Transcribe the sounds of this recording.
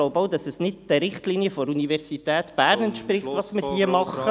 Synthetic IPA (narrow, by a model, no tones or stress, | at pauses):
oʊbowd̥ɑsəsnɪdd̥əɾɪχtliːnjəfɔɾunivɛɾsit̪ɛːt̪b̥æːɾnɛntʃpɾɪχtʋɑsmɪɾhiəmɑχə